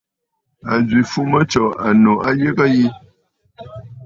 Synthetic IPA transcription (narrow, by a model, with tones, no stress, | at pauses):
a˨zɥi˨fu˦mə˦t͡ʃɔ˨ʔa˨no˨a˦je˦kə˦ji˦